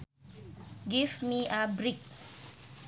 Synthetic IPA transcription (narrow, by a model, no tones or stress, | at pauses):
ɡivmiʔabɾik̚